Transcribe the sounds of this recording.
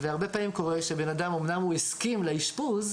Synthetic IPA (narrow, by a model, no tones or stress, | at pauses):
veaʁbe̞paːmimko̞ʁeʃebenadamomnamhueskimlaiʃpuz